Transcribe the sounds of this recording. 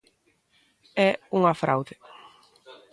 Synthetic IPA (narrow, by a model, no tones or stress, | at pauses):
ɛuŋafɾa̰wðɪ